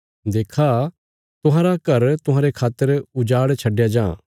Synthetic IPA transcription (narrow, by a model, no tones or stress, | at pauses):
d̪eːkʰa | t̪ʊɦãːɾakɐɾt̪ʊɦãːɾekʰaːt̪ːəɾʊd͡ʒaːɽt͡ʃʰɐɖjad͡ʒãː